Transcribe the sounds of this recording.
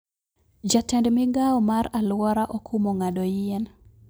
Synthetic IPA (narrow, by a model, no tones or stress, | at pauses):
d͡ʒatɛndmɪɡaɔmaralwɔɾaʔokʰumɔŋadɔjɪɛn